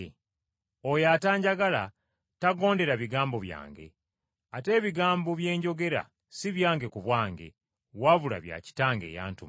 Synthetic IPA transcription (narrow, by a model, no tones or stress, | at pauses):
ojataːɲɟaɡala | taɡo̞ːnde̞ɾaβiɡaːmbo̞βja̰ːŋɡe̞̰ | ate̞ːβiɡaːmboβje̞ːɲɟo̞ɡe̞ɾa̰ | siβjaːŋɡe̞kuβwaːŋɡe̞̰ | waβula̰βja̰ːci̥taːŋɡe̞̰ːja̰ːntum